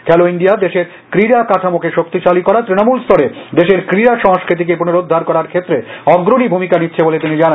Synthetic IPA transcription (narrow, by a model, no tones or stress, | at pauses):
kʰɛloinɖijad̪eʃeɾ | kɾiɾakat̪ʰamokʰeʃokt̪iʃalikɔɾat̪ɾinomulst̪ɔɾed̪eʃeɾkɾiɾaʃɔŋskɾit̪̬ik̬ep̬unoɾud̪ʱːaɾkɔɾaɾkʰet̪ːɾeɔɡɾoɽibʱumikanitːɕʰebolet̪inid͡ʑana